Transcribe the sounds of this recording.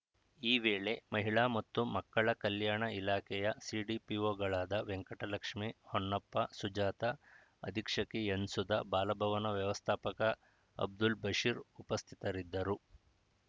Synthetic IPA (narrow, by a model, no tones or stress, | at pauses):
iːʋeːɭe̞mɐɦiɭaːmɐt̪ːumɐkːɐɭɐkɐljaːɳɐilaːkʰɛjɐsiːɖipioːɡɐɭaːd̪ɐʋeŋkɐʈɐlɐkʂmihoɳːɐpːɐsud͡ʒaːt̪ɐ | ɐ̰d̪ʱikʂɐkijɐnsud̪ɐbaːlɐbʱɐʋɐnɐʋjɐʋɐst̪ʰaːpɐkɐ | ɐ̰b̚d̪ulbɐʂiːɾupɐst̪ʰi̥t̪ɐɾid̪ːɐɾu